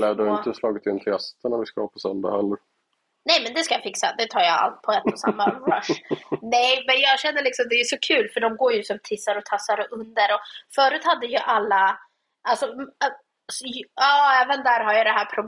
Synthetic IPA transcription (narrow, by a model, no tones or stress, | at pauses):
laɖɔɪnt̪əslɑːɡɪt̪ɪnt̪ʰɪɛst̪ənaɾvɪskavapʰɔsœnd̪a̰hɛlːəɾ | nɛjmɛnd̪ɛskajɑfɪksa̰d̪ɛt̪ʰɑːɾjaa̰lt̪̚pʰɔɛt̪ːɔsa̰mːaɾaʂnɛjmɛnjɑːɡɕɛnd̪əlɪksɔmd̪ɛːjɵsɔkʰʉ̟ːlfœɖɔmɡoːɾjɵsɔmt̪ʰɪsːaɾɔt̪ʰasːaɾɛʔɵnd̪əɾɔfœːɾʉ̟ːt̪had̪ːəjəʔalːa | ʔalsɔ | sɑːɛːvənd̪æːɾɦaɾjɑd̪ɛɦæːɾpʰɾʊb